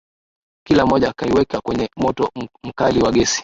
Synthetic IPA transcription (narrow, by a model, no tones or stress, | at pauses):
kilamɔʄaːkaiwɛkakwɛɲɛmɔtɔm̩kaliwaɠɛsi̥